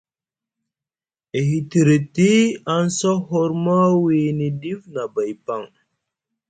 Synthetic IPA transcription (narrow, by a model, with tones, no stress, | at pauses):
e˨ɦi˨ti˨ɾi˨ti˦a˦nso˦ɦo˦ɾma˦wi˨ni˨di˦vna˨ba˨jpa˦˨ŋ